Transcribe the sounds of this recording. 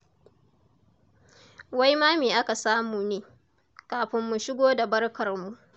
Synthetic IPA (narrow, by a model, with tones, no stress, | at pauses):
wa˦jmaː˦meː˨ʔa˦ka˨saː˦muː˨neː˨ | kaː˨ɸɪ˦mːu˨ʃɪ˦ɡʷoː˦da˨bɐ˦rkɐ˨rmu˨ʔ